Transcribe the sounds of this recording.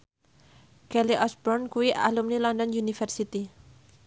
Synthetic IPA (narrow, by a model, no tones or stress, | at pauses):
kɛliʔɔsbɔrnkuwiʔalumnilɔndɔnjunifərsit̪i